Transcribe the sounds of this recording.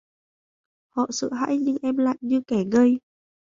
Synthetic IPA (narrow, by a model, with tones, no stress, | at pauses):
hɔ̰˧˨sɨ̰˧˨ɦa̰ː˧˥jɲɨ˧ŋʔɛ˧mla̰ː˧˨jɲɨ˧kɛ˧˩ɣə˧j